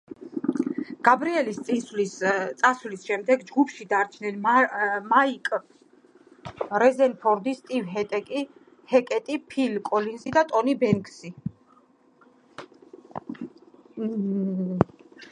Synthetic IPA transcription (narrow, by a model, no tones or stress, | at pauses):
ɡ̥abɾiɛlist̪sʼinslist̪sʼasvlisʃɛmd̪ɛɡd͡ʒɡupʰʃid̪aɾt͡ʃʰnɛnmaikʼ | ɾɛzɛnpʰɔɾd̪ist̪ʼivɦɛt̪ʼɛkʼi | hɛkʼɛt̪ʼipʰilkʼɔlinzid̪at̪ʼɔnibɛŋkʰʼsi